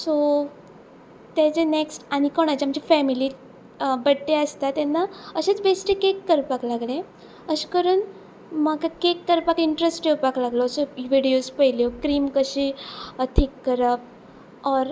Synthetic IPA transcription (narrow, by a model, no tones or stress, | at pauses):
so | t̪jat͡seneksʈaɽ̃ikoɽ̃at͡ɕaməd͡ʑifɛmiliː | bəɽʈeəst̪at̪enːaəɕet͡sbesʈekekːəɾpaklaɡlẽ | əɕkəɾuːn | maɡakekːəɾpakiɳʈɾesʈjewpaklaɡlosoʋiɽijospəɦiljokɾiːmkəɕiːt̪ʰiːkːəɾəp̚ | ɔɾ